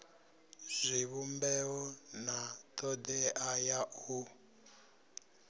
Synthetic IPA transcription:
z̥ʷiβumbɛɔnat̪ɔd̪ɛajau

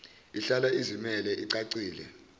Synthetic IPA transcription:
iɬalaizimɛlɛʔiǀaǀiːlɛ̰

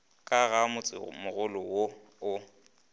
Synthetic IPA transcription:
kʼaɣamʊt͡sʼɪ̰mʊɣʊlɔwo | ʊ

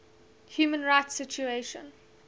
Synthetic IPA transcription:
hjuːmə̃nɹaɪtsɪt͡ʃueʃə̰̃n

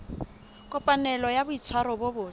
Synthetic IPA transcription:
kʼɔpʼanɛlɔjabʊit͡sʰwaɾɔbobʊː

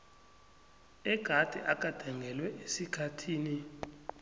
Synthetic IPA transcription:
ɛɡ̥ʱad̥ʱɛ̰ʔakʼad̥ʱaŋʱɛlwɛʔesikʰatʰiːni

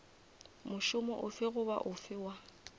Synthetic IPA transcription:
mʊʃʊmɔʔʊfɪɣʊba̰ʔʊfɪːwa

